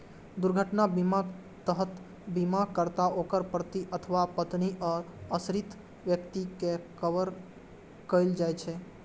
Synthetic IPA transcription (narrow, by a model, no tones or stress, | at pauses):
d̪uɾɡʱəʈnabima | t̪əɦət̪ | bimakəɾt̪aokəɾpɾət̪iʔət̪ʰəʋapət̪niəəsɾit̪ | ʋjəkt̪ikekəʋəɾ | kəjld͡ʒajt͡ʃʰɛ